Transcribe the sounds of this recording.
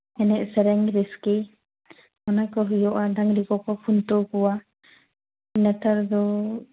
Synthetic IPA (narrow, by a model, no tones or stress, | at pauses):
ɛnɛʔsɛɾɛŋɾɛskɛ | mɔnajkɔɦɯjɔʔadaŋlikɔkɔpʰunt̪ɔkuwa | inat̪aɾd̪ɔ